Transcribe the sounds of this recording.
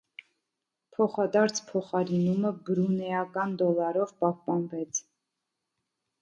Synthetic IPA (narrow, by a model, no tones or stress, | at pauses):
pʰɔχɑd̪ɑɾt͡sʰpʰɔχɑɾinuməbəɾunɛɑkɑnd̪ɔlɑɾɔvpɑhpɑnvɛt͡sʰ